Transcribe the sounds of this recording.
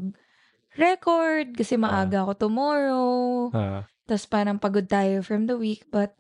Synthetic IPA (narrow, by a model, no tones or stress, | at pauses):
ɡ̚ | ɹɛkoɹd̪̚kɐsɛmɐʔaːɡɐɐkot̪ʊmoːɾo | t̪ɐspaːɾɐŋpɐɡod̪̚t̪aːjofɹɐmd̪ɐwiːk̚bɐt̪̚